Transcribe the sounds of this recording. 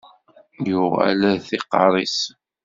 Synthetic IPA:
jʊʁæ̰lθiqːɑɾˤis

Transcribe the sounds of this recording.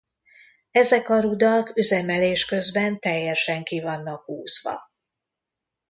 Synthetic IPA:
ɛzɛkɒɾud̪ɒkøzɛmɛleːʃkø̞zbɛnt̪ɛjːɛʃɛŋkivɒnːɒkhuːz̥ʋɒ̰

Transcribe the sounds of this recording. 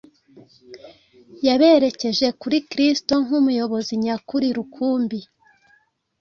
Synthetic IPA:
jaβe̞ɾe̞ce̞ʒe̞kuɾikɾisto̞ŋ̥umujo̞βo̞ziɲakuɾiɾukʰuːmbi

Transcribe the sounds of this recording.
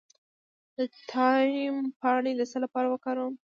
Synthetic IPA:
d̪ət̪ʰɑimpɑɳed̪əsəlapɑɾawəkɑɾəm

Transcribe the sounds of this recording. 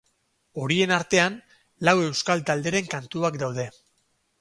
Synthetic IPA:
o̞ɾie̞naɾt̪e̞an | lawe̞wskalt̪ald̪e̞ɾe̞ŋkant̪uakd̪awð̞e̞

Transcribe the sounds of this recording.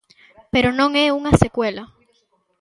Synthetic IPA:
pe̞ɾo̞nõ̞ŋe̞unase̞kwe̞la

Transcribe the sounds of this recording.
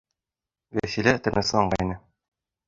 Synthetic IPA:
væsilæt̪ɘ̆ɾnɘsɤɑɴɢɑinɘ

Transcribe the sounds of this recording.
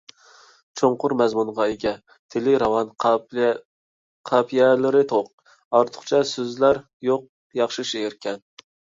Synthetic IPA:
t͡ʃʰoŋqʰʊɾmɛzmunʁɑeɡʲɛ | t̪ʰɪlɪɾɑwɑn | qʰɑpʰijɛlɪɾɪt̪ʰoq̚ | ɑɾt̪ʰʊ̥χt͡ʃʰɛsøzlæɾ | joq̚ | jɑχʃɪʃeɪɾkʲɛn

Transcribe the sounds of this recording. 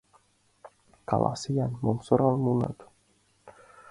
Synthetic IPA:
ka̰lʔa̰sijanmonsoɾalmunə̰t̪u̥

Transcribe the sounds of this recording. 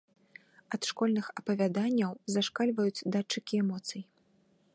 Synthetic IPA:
ɐt̪ʂkɔlʲnɨxɐpɐvʲad̪anʲːɐwzaʂkalʲvɐjut͡sʲd̪at͡ʂɨkʲiɛmɔt̪sɨji

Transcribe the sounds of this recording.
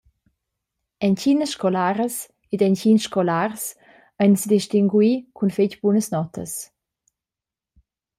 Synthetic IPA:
ɛncinəsʃkɔlaɾəs | edɛncinsʃkɔlars | ajnsd̪iʃtiŋɡwikʰunfecbunəsnɔtʰə̰s

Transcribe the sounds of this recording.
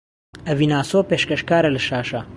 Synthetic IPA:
ɐviːnaːsoːpeːʃkɐʃkaːɾɐlɐʃaːʃɐ

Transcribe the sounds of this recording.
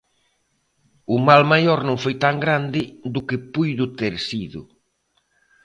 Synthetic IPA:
ʊmalmajɔɾnõŋfojt̪aŋɡɾand̪ɪd̪ʊkɪpujðʊt̪ɛɾsiðʊ̰

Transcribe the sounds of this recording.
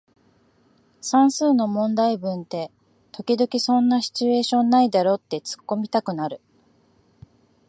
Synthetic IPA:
sãɰ̃sɨːno̞mõ̞nd̪aibɯ̟̃nt̪e̞ | t̪o̞kʲid̪o̞kʲisõ̞nːaɕi̥t͡ɕie̞ːɕõ̞nːaid̪aɾo̞t̪ːe̞t͡sɨ̥kːo̞mʲit̪akɯ̟naɾɯ̟

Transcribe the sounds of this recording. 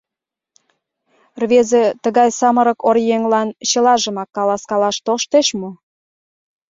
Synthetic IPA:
rβezĕt̪əɣɑjsɑməɾə̆korjeŋlɑnt͡ɕə̆lɑʒə̆mɑkːɑlɑskɑlɑʃt̪oʃt̪eʃmo

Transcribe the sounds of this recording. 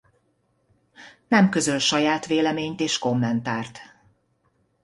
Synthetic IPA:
nɛmkøzølʃɒjaːt̪ʋeːlɛmeːɲt̪eːʃko̞mːɛnt̪aːrt̪

